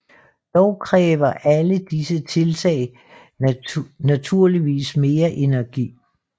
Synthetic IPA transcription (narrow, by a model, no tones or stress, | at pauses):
d̥ɒʊkʰʁɛːʋɐʔæləd̥isət͡sʰe̝lt͡sʰɛ̰ɪ | næt͡sʰuɐ̰liʋḭːsme̝ːɐʔe̝næɐɡ̥ḭː